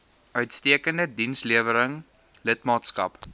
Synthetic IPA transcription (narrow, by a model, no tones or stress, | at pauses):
œɥtstiəkəndədinsliəvəɾəŋ | lətmɑːtskɐ̰p